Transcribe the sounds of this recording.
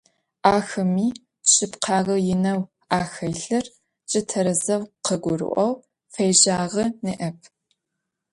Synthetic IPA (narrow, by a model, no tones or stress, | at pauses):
ʔaːxɐmiː | ɕɪpqʰɑːʁəjɪnɐw | aːxɐjɬɨr | t͡ʃʼɪtʰɐɾɐzɐwqʰəɡʷʊɾɨ̰ʔʷɔw | fɐjʑaːʁənɨʔɐpʰ